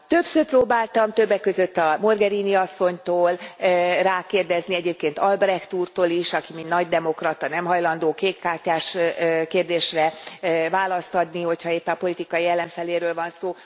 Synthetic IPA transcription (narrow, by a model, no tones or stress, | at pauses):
t̪øpsøːrproːbaːlt̪ɒmt̪ø̞bːɛkːø̞zøt̪ːɒmo̞rɡɛɾiːniɒsːo̞ɲt̪oːlraːkeːrd̪ɛzniɛɟeːp̚keːnt̪ɒlbrɛxt̪uːrt̪oːliʃɒkimint̪nɒɟd̪ɛmo̞krɒt̪ɒnɛmɦɒjlɒnd̪oːkeːkːaːrcaːʃkeːrd̪eːʃrɛvaːlɒst̪ɒd̪niho̞chɒeːpːɛnɒpo̞lit̪ikɒjiɛlːɛɱfɛleːɾøːlvɒnsoː